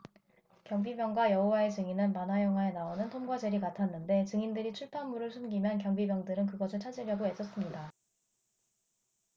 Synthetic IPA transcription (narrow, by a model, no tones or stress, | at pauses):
kjʌŋbibjʌŋɡwajʌɦowae̞t͡ɕɯŋinɯnmanajʌŋɦwaenaonɯntʰomɡwad͡ʑeɾikatʰanːɯnde̞t͡ɕɯŋindɯɾit͡ɕʰuɭpʰaŋmuɾɯɭsʰunɡimjʌnkjʌŋbibjʌŋdɯɾɯnkɯɡʌsʰɯɭt͡ɕʰad͡ʑiɾjʌɡoe̞s͈ʌs͈ɯmɲida